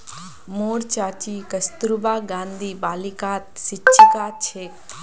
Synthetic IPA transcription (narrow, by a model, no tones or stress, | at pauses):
moːɾt͡ʃaːt͡ʃiːkɐst̪uɾubaːɡãːnd̪ʱiːbaːlikaːt̪sit͡ʃʰikaːt͡ʃʰeːk̪̚ː